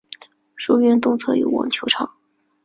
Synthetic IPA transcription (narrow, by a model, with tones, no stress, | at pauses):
ʂu˥˧ɥɛ˥˧nt̪ʊ˥˧ŋt͡sʰɤ˥˩y̰˧˥wɑ̰˨˩ŋt͡ɕʰjo˧˥ʊʈ͡ʂʰɑ˨˥˩